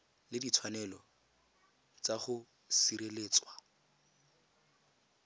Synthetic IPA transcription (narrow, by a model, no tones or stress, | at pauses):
lɪdit͡sʰwanɛlɔ | t͡saχʊ | siɾeleːt͡swa